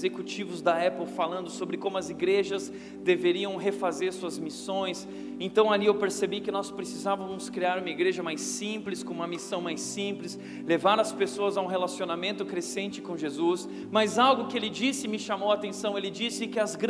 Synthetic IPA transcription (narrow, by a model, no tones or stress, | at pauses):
zekut͡ʃivʊzd̪ɐɛpewfalɐ̃nd̪ʊsobɾɪkõmʊɐziɡɾeʒɐz | d̪eveɾiɐ̃w̃ɦefazeɾsuɐzmisõj̃s | ẽnt̪ɐ̃w̃aliewpeɾsebikɪnɔspɾesizavɐmʊskɾiaɾũmɐiɡɾeʒɐmajsĩplɪskõũmɐmisɐ̃w̃majsĩplɪs | levaɾɐspesoɐzɐũɦelasionamẽnt̪ʊkɾesẽnt͡ʃɪ̥kõʒezus | mɐzawɡʊkɪelɪd͡ʒisɪmɪʃamowat̪ẽsɐ̃w̃elɪd͡ʒisɪkɪɐzɡɾ